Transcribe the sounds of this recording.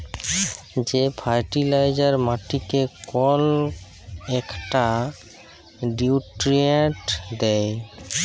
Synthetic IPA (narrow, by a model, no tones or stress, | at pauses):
d͡ʑepʰajʈilajd͡ʑaɾmaʈikekɔl | ɛkʈa | ɖiuʈɾieʈd̪ɛj